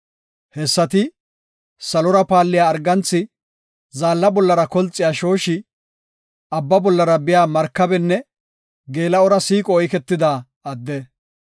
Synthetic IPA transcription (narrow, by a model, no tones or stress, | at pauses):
hɛsːɐt̪ɪ | sɐlɔɾɐpaːlːɪjaːɾɡɐnt͡sːɪ | zaːlːɐbɔlːɐɾɐkɔlt͡sʼːɪjaːʃo̞ːʃɪ | ɐbːɐbɔlːɐɾɐbɪjaːmɐɾkːɐbɛnːɛ | ɡe̞ːlɐɔɾɐsiːkʼɔːɔjkɛt̪ːɪd̪aː | ɐd̪ːɛ